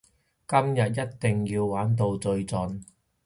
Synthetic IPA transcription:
kɐ˥mjɐ˨t̚jɐ˥t̚t̪ɪ˨ŋjiː˧wwaː˨˥nt̪̬o˧wt͡sɵ˧ɥt͡sɵ˨˧n

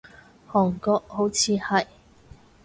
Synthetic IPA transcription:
hɔː˨˩ŋkɔː˧k̚ho˨˥wt͡sʰiː˨˧hɐ˨˩j

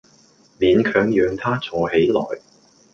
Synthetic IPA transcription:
liː˨nkʰœː˨˥ŋjœː˨˧ŋt̪ʰaː˥t͡sʰɔː˨˩he˨˥jlɔ̰ː˨˩j

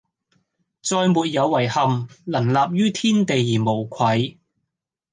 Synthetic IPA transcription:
t͡sɔː˧jmuː˨t̚jɐ˨˧wːɐ˨˩jhɐ˨mlɐ˨˩nlaː˨p̚jyː˥t̪ʰiː˥nt̪e˨jːiː˨˩mo˨˩wkʷʰɐ˨˧j

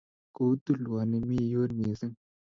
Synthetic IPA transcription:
ko˨˦t̪u˦lwa˨ne˨mi˦joː˦ɾneː˨se˦ŋ

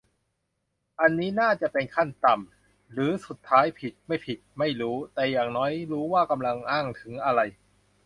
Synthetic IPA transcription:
ʔa˧nːiː˦˥naː˥˩t͡ɕa˨˩ʔpe˧nkʰa˥˩nt̪a˨m | ɾɯː˩˦su˨˩t̪ʰːaː˦˥jpʰi˨˩t̪̚ma˥˩jpʰi˨˩t̪̚ma˥˩jɾuː˦˥t̪ɛː˨˩jaː˨˩ŋnɔː˦˥jɾuː˦˥waː˥˩ka˧mla˧ŋʔaː˥˩ŋt̪ʰɯ˩˦ŋʔa˧ɾa˧j

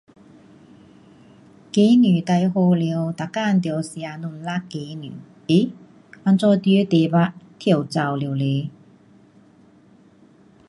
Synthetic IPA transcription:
ke˨˧˦nyː˨˩t̪a˧jho˧li˨˧wt̪a˨˩ka˥˨nt̪i˧˨˧wsja˨˧nu˧˩nla˦˥ke˨˧˦ny̰ː˨˩ | e˧˥˦ | wa˧nt͡sɔ˥˧t̪jø˧˥˦t̪e˨˧ba˧˥t̪ʰi˧˨˩wt͡sa˨˧˩wli˨˧wle˨˧˦

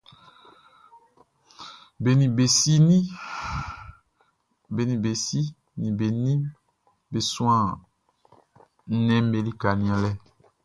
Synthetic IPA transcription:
be˨nĩ˨be˨si˦nĩ˦ | be˨nĩ˨be˨si˦ | nĩ˨be˨nĩ˦ | be˨sũ˦ã˦˨˦ | nɛ̃˦m̩˦be˨li˦ka˨nĩ˨˦ã˨lɛ˦

